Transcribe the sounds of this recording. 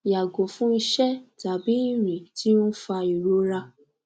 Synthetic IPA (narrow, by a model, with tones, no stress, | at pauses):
ja˨ɡo˨fũ˦i˧ʃɛ˦ta˨bi˨˦i˦˨ɾ̃ĩ˨tʰi˦õ˦fa˧i˨ɾo˨˦ɾa˧